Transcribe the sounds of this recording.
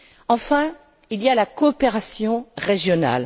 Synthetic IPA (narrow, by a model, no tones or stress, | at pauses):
ɑ̃fɛ̃ | ilijalakɔːpeʁasjɔ̃ʁeʒjɔna̰l